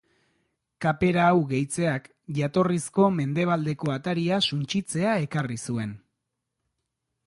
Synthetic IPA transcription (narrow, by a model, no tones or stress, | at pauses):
kape̞ɾaːwɣe̞jt͡se̞ak | ʝat̪o̞risko̞me̞nd̪e̞β̞ald̪e̞ko̞at̪aɾiasunt͡ʃit͡se̞ae̞karisue̞n